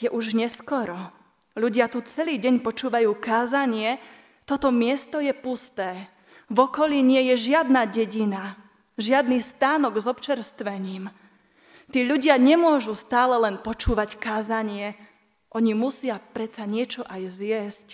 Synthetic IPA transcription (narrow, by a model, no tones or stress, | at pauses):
jɛʔuʒɲɛskɔɾɔ | ʎuɟɪat̪ut͡sɛliːɟɛɲpɔt͡ʃuːʋajuːkaːzaɲɪɛ | t̪ɔt̪ɔmɪɛst̪ɔjɛpust̪ɛː | vɔkɔʎiɲɪɛjɛʒɪad̪naɟɛɟina | ʒɪad̪nist̪aːnɔɡzɔpt͡ʃɛɾst̪ʋɛɲiːm | t̪iːʎuɟɪaɲɛmʊɔʒust̪aːlɛlɛnpɔt͡ʃuːʋackaːzaɲɪɛ | ʔɔɲimusɪapɾɛt̪t͡saɲɪɛt͡ʃɔʔajzɪjɛsc